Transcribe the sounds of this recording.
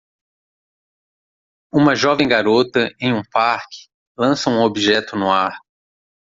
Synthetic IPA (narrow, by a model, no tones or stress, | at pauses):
ũmɐʒɔvẽj̃ɡaɾot̪ɐʔẽj̃ũpaɾkɪ̥ | lɐ̃sɐũobiʒɛt̪ʊnʊaɾ